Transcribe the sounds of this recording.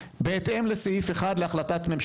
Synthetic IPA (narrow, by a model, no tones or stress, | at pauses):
beːt̪ʔe̞mlesejifeχad̪leaχlat̪at̪me̞mʃ